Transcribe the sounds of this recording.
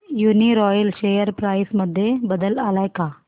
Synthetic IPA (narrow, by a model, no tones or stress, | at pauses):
juniɾɔjəlɕejəɾpɾajsməd̪ʱːjebəd̪əlalajka